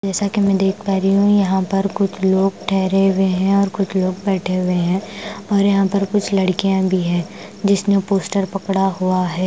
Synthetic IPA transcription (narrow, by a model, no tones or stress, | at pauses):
d͡ʒɛːsakimɛ̃d̪eːk̚ʰt̪aːɾiɦũjɐɦãpɐɾkʊt͡ʃʰloːɡʈʰɛːɾeʊeɦɛ̃ɔːɾkʊt͡ʃʰloːɡ̚bɛːʈʰeɦʊeɦɛ̃ːɔːɾjɐɦãpɐɾkʊt͡ʃʰlɐɽkijãbʱiɦɛ̃ː | d͡ʒɪsnepoːsʈəɾpɐkɽaɦuaɦɛː